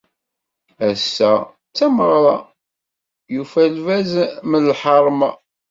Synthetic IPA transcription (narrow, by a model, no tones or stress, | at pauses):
æsːæ | t͡sːæməʁɾˤɑ | jufælvæzməlħɑɾˤm